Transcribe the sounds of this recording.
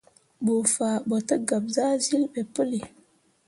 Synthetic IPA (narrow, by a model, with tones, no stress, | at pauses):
ɓu˨fa˨ɓo˨tə˦ɡa˨p̚za˦zi˦lɓe˨pə˦li˨